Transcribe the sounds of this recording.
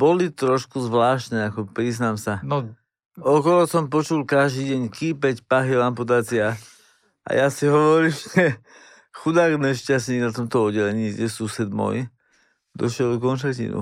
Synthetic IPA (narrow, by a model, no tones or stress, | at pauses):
bɔlit̪ɾɔʃkuzʋlaːʃt̪nɛakɔpɾiznaːmsan | ɔkɔɦɔsɔmpɔt͡ʃulkaʒd̪iːɟɛɲkiːpɛcpaɦilamput̪aːt͡sia | ʔa̰jasiɦɔʋɔɾiːmʒɛ | xud̪aːɡnɛʃcastniːɡnat̪ɔmt̪ɔɔdɛlɛɲiːjɟɛsusɛd̪mɔ̰j | d̪ɔʃɪɛlɡ̪ɔkɔnʃacḭnṵ